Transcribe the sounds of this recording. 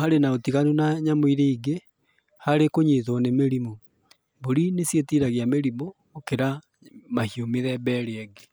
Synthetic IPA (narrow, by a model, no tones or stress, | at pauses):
aɾenaotiɣanunaɲamoiɾeiɡe | haɾekoɲeðɔnemeɾimo | boɾinesjetiɾaɣjameɾimo | okeɾa | mahiomeðɛbɛɾeɛɡe